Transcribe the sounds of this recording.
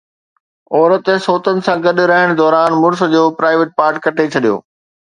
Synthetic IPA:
ɔːɾət̪soːt̪ənɪ̆sãɡɐɗɾɐɦɪɽ̃d̪ɔːɾaːnmʊɾs̆d͡ʑoːpɾaːɪʋeʈ̚paːɾʈ̚kɐʈʰet͡ɕʰɐɗijo̰ː

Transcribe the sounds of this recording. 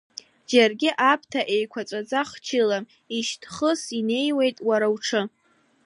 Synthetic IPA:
d͡ʒarɡʲɪʔapʰtʰaʔejkʷʰat͡sʷʼat͡sʼaχt͡ʃʰɪlam | iʃtʰχəsine̞jwe̞jtʼwaɾawʈ͡ʂʰɨ

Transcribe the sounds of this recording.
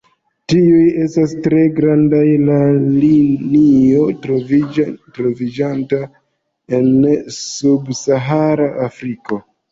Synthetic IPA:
tiuje̞stas̬tɾe̞ɡɾandajlalinio̞t | tɾo̞vid͡ʒanta | e̞nsubsaɦaɾaʔafɾiko̞

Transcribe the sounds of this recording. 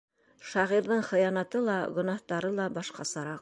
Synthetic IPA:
ʃɑʁiɾðɤɴχɤ̆jɑnɑt̪ɤlˠɑɡɵ̆nɑht̪ɑɾɤlˠɑbɑʃqɑsɤ̆ɾɑq̚

